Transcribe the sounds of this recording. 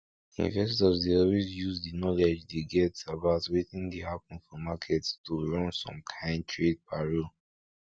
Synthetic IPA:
ḭ̃nvɛs̬tɔsdeɔlwezjuzdinɔlɛd͡ʒdeɡɛtabaʊtwetĩndehapɔ̃nfɔmakʰɛtstoɹɔ̃nsɔ̰̃mkʰãɪ̃ndtʰɹed̚paɹo

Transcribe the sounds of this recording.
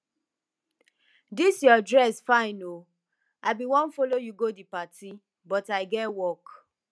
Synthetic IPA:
disjɔdɹɛsfãɪno | aɪbiwɔ̃nfolojuɡodipatʰi | bɔtaɪɡɛtwɔk

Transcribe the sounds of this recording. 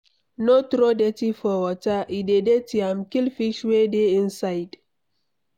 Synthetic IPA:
notɾodetifɔwɔtaʔidedetiamkilfiʃwedeĩnsajd̥

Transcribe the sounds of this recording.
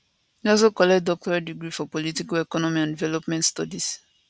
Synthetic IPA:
iɔls̬okɔlɛkt̚dɔk̚tɔɹadiɡɹifɔpɔlitikalɛkɔnɔmiãndivɛlɔpmɛ̃ntstɔdis

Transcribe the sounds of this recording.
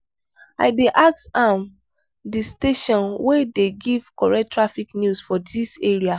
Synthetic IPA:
a̰ɪdeʔak̚tãm | disteʃɔ̃nwedeɡiv̥kɔɹɛtːɹafiknjusfɔdiseɹia

